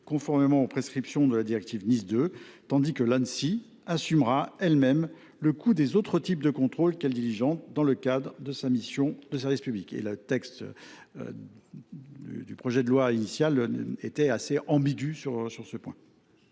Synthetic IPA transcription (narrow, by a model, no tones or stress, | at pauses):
kɔ̃fɔʁmemɑ̃opχeskχipsjɔ̃d̪əlad̪iʁɛk̚t̪ivnizd̪øt̪ɑ̃d̪ikəlansi | asymʁaɛlmɛm | ləkʰud̪ezot̪χət̪ip̚d̪əkɔ̃t̪χolkɛld̪iʁiʒɑ̃t̪̚d̪ɑ̃ləkad̪ʁd̪əsamisjɔ̃d̪əsɛʁvispyblikḛlət̪ɛkst̪ | d̪̰d̪ypχɔʒɛd̪əlwainisjalet̪ɛaseʔɑ̃biɡʲysyʁsyʁsəpwɛ̃